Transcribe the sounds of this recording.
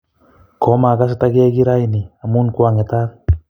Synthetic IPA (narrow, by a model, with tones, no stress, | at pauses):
kɔ˨˦ma˨ka˦s̬et̪aɡi˦a˦ɡi˦ɾa˦jni˨a˨mu˦nkwaŋe˨t̪a˦k